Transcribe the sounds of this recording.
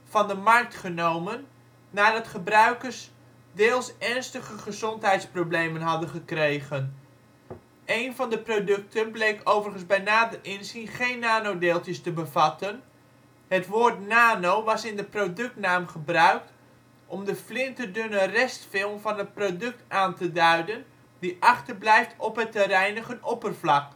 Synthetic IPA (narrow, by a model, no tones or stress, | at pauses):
fɑndəmɑrk̚tχənowmənː | aːdɑtχəbrœɥkərs | deːlˠsɛɹnstəχəχəzɔntɦɛjtsprowblejmənɦɑdəχəkrejχən | ejnvɑndəprodɵk̚tʰənblejkowvərχənzbɛjnaːdərɪnsinχejnːaːnowdeːlˠtjəstəbəvɑtən | hətʋoːrtnaːnowʋɑsɪndəprodɵk̚tnaːmχəbrœɥk̚t | ʔɔmdəflɪntərdønərɛstfɪlˠmvɑnət̚prodɵk̚taːntədœɥdən | diʔɑχtərblɛjftʰɔpɦətəɾɛjnəχənɔpərflɑk